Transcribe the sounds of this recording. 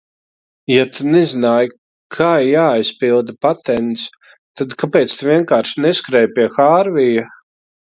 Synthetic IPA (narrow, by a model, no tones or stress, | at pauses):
jat̪ʰunezinaːj | kʰaːjaːjspilˠd̪apat̪ɛnt̪s | t̪ad̪kapɛːt̪st̪uvʲiɛŋkaːɾʃnɛskɾɛjpʲiɛxaːɾvija